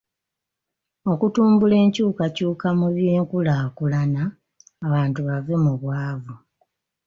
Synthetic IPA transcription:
o̞kutuːmbule̞ːɲcuːkacuːkamuβjeːŋkulakulanaː | βaːntuβavemuβwaːβu

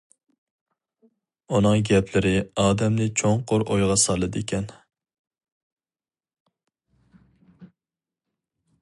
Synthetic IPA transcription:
unɨŋɡʲɛpʰlɪɾɪɑːd̪ɛmnɪt͡ʃʰoŋqoɾojʁɑsɑlˠːɨd̪ekʲʰɛn

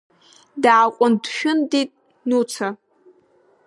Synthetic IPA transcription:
daːqʷʼʊndʃᶣʊnditʼ | nut͡sʰa

